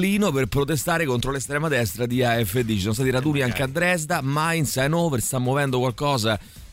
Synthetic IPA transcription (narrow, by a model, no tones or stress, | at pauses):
liːnoperpɾot̪est̪aːɾekont̪ɾolest̪ɾɛːmad̪ɛst̪ɾad̪iaɛfːed̪ːit͡ʃisɔnst̪at̪iɾad̪uːniaŋk̟ead̪ːɾɛs̬d̪amainsɛnoperst̪amːovɛnd̪okwalkɔːza